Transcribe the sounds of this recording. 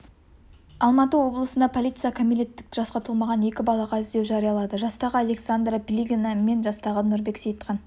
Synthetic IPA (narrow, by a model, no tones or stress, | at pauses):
ɑlˠmɑt̪əwo̞blˠəsənd̪ɑpʰo̞lʲˠijt̪sɨjakʰomilʲe̞t̪ːɪ̥kʒ̥ɑsqɑt̪ʰulˠmɑʁɑne̞kʲɪbɑlˠɑʁɑʏzd̪ewʒɑɾijɑlˠɑd̪əʒɑst̪ɑʁəaleksand̪ɾapʲlʲiɡʲname̞nʒɑst̪ɑʁənʊɾbe̞ksejt̪qʰɑn